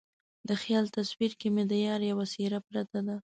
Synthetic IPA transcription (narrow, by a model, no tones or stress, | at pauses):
d̪əxjɑlt̪aswiɾkemed̪əjɑɾjawasiɾapɾat̪ad̪a